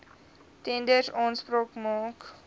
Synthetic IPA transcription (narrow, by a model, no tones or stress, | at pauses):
tɛndərsɑːnspɾoːkmɑːk